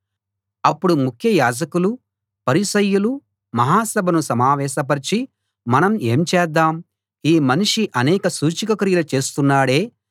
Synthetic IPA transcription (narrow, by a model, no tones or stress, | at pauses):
ɐpːuɽumukʰjɐjaːd͡ʒɐkulu | pɐɾiʃɐjːulu | mɐɦaːsɐbʱɐnusɐmaːʋɛːʃɐp̬ɐɾit͡ʃi | mɐnɐmeːmt͡ʃɛːd̪ːaːm | iːmɐniʂiʔɐnɛːkɐsuːt͡ʃikɐkɾiːjɐlɐt͡ʃe̞ːst̪unːaːɽeː